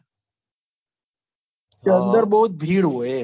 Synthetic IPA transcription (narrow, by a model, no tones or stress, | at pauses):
t͡ʃeə̃nd̪əɾbəɦʊt̪̚bʱiːɽɦoeː